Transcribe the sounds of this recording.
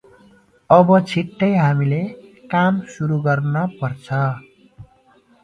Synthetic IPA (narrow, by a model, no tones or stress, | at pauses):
ʌbʌt͡sʰiʈːʌjɦamilekamsuɾuɡʌrnʌpʌrt͡sʰʌ